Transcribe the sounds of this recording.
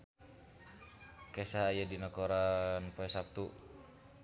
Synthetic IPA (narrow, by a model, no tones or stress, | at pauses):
kɛsaːjadinɔkɔɾanpaɛsap̚t̪u